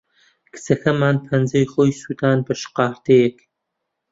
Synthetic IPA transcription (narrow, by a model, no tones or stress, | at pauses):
kʰɨ̥t͡sɐxʰɐmaːnpʰɐnzɐjχoːjsuːd̪aːnbɐʃqɑːɾd̪ejek